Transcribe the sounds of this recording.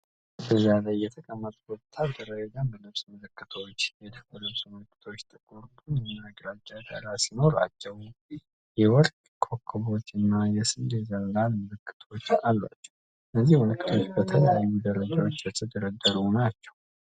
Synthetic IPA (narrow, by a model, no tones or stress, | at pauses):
bəzalajːɛt̪ʰəkʼəmːət̪ʼwɔt̪ʰːad̪əɾəd͡ʒɛɡanbəlɨβsmɨlɨkʼːɨt̪ʰəwot͡ʃːed̪bəlɨβsməlɨkːɨ̥t̪ʰowot͡ʃːt̪ʼɨkʼuɾt̪ʰʼunjɛnaɡɾad͡ʒʼːad̪ʰa̰ɾasino̞ɾa̰t͡ʃːɛh | jɛwɔlkʼkʰokʰːɨβo̞t͡ʃːɨnːajɛsɨnd̪ezəllalmɨlɨkʰʼːɨ̥t̪ʰwot͡ʃːalːa̰t͡ʃːɛ̥w | lːəzːihwɔlɨkʼːɨ̥t̪ʰo̞t͡ʃːbət̪ʰələjajːud̪əɾəd͡ʒawo̞t͡ʃːjɛt̪ʰʼəd̪əɾəd̪ːəɾunat͡ʃːɛ̥w